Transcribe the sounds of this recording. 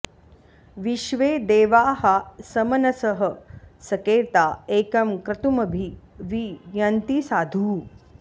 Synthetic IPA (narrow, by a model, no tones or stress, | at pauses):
ʋiʃʋeːd̪eːʋaːɦɐsɐmɐnɐsɐɦɐ̆sɐkeːt̪aːeːkɐmkɾɐt̪umɐbʱiʋijɐnt̪isaːd̪ʱuː